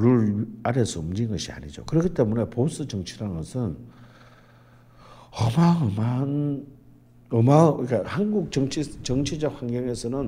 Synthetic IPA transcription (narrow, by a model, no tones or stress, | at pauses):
ɾuɭaɾes͈ʰɯʌmd͡ʑinɡʌɕʰia̰ɲid͡ʑo̰kɯɾʌkʰit͈e̞mune̞pos͈ɯt͡ɕʌŋt͡ɕʰiɾanɯɡʌsʰɯn | ʌmaŋʌman | ʌmaik͈ahanɡuk̚t͡ɕʌŋt͡ɕʰit͡ɕʌŋt͡ɕʰid͡ʑʌk̚hwaŋɡjʌŋe̞sʰʌnɯn